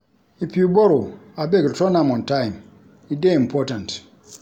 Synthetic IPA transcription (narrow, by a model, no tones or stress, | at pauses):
ipiuboɾoabektɔnamɔ̃ntãjm | ideĩmpʰɔtãnt